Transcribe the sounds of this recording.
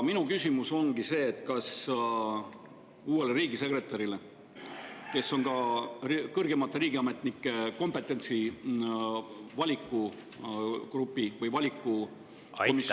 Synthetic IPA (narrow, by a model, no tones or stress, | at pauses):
minukysʲimuso̞ŋɡise̞ːt̪ːkɑs | uːwe̞leɾiːɡise̞kre̞t̪ːˑɑɾile̞ | ke̞sːo̞ŋɡɑ | kɤrɡ̥e̞mɑt̪ːˑeɾiːɡ̥iɑme̞t̪ˑnikˑːe̞ko̞mpˑe̞t̪ːˑe̞nt̪si | vɑlʲikˑːu | krupːˑivɤjvɑlʲikːˑu | komis